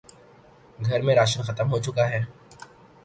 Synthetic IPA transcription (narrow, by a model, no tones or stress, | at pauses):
ɡʱɐɾmẽɾaːʃənxɐt̪əmɦot͡ʃʊkaɦɛː